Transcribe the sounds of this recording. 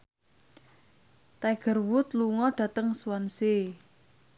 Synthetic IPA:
t̪aɡ̥ə̤rwʊt̪luŋɔɖ̥ä̤t̪əŋswanse

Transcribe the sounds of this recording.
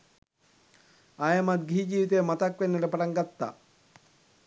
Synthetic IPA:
aːjɐmɐt̪̚ɡiɦid͡ʒiːʋit̪ejmɐt̪ɐkʋenːɐʈəpɐʈaŋɡat̪ːa̰

